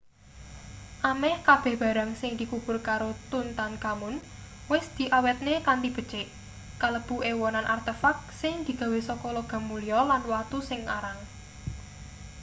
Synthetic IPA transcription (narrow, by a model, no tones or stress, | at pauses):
ʔamɛhkab̥ɛ̤hb̥a̤ɾaŋsɪŋd̪̥i̤kub̥ʊ̤rkaɾot̪unt̪ankamʊn | wɪsd̪̥i̤ʔawɛt̪̚nekandib̥ə̤̥t͡ʃeʔ | kaləb̥ṳewɔnanʔart̪efak̚sɪŋd̪̥i̤ɡ̥a̤wesɔkɔloɡ̥a̤mulijɔlanwat̪usɪŋaɾaŋ